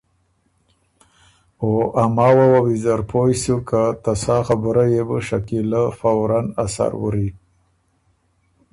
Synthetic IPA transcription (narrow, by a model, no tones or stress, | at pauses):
oʔamɑwawawizaɾpʰojsukat̪asɑxabəɾajebəʃakiləfawɾanasa̰ɾwə̰ɾi